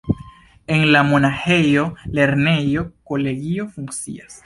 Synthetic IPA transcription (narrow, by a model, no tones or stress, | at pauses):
eŋlamonaxejoleɾnejokoleɣiofuŋsḭas